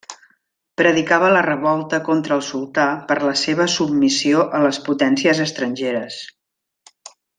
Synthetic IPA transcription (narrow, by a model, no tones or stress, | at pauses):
pɾəðikaβələrəβɔlˠt̪əkɔnt̪ɾəːlˠsulˠt̪apəɾləseβ̞əsub̚misioʔələsput̪ɛnsiəzəst̪ɾənʲʒeɾəs